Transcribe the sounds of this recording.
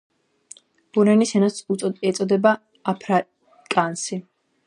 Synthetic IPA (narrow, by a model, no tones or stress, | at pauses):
b̥uɾɛnisɛnasuɛt̪sʼɔd̪ɛbaː | pʰɾa | kʼansi